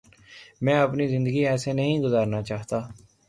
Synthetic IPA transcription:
mɛ̃ːəpniːzɪ̃nd̪əɡiːɛːseːnəɦĩːɡʊzaːɾnaːt͡ʃaːɦt̪aː

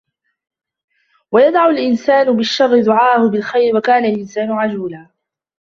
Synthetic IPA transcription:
wajad̪ʕʊlʔɪnsaːnʊbɪʃːɑrˤːɪd̪ʊʕaːhʊbɪlxajɾwakaːnalʔɪnsaːnʊʕad͡ʒuːlaː

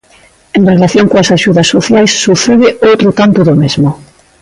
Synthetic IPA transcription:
enrelaθjoŋkoasaʃuðɐsoθjajsːuθeðɪowt̪ɾot̪ant̪oðomezmo

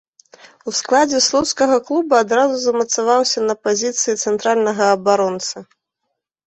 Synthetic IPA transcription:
usklˠad͡zʲɛslˠɔwskɐɣɐklˠubuad̪ɾazuzɐmɐt̪savawsʲɐnɐpazʲit̪sɨjit̪sɛnt̪ɾalʲnɐɣɐːbaɾɔnt̪sɐ

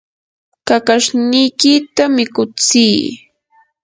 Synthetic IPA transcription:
kakaʃnɪjkɪt̪amɪkʊt͡siː

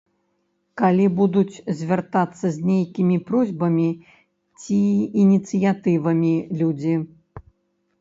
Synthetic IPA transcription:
kalʲibud̪ut͡sʲzʲvʲart̪at̪sːɐzʲnʲejkʲimʲipɾɔzʲbɐmʲi | t͡sʲiːnʲit̪sɨjat̪ɨvɐmʲilʲud͡zʲi

